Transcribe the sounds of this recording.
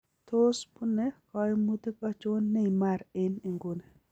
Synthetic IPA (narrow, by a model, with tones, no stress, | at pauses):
t̪o˦spu˦ne˦kɔ˦jmu˦t̪i˦kɔ˦t͡ʃo˦nːe˦imaɾɪ˦ni˨ŋɡu˦ne˨